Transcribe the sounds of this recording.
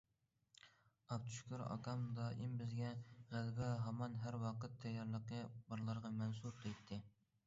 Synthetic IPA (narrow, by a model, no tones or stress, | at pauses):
ɑpt̪ʰu̥ʃkʲʰoɾɑ̰kʰɑmd̪ɑʔimbɪzɡʲɛʁælbɪɦɑmɑnɦæɾwɑqət̪ʰːɛjːɑɾlˠəqəbɑɾlˠɑɾʁɑmɛnsuɾd̪ejt̪ʰːɪ